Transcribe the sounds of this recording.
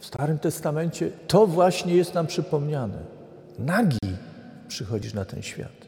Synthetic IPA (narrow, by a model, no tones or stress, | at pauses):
fst̪aɾɘmt̪ɛst̪amɛɲt͡ɕɛt̪ɔvwaɕɲɛjɛst̪nampʂɘpɔmɲanɛ̰ | naɡʲi | pʂɘxɔd͡ʑiʂnat̪ɛ̰nɕfʲja̰t̪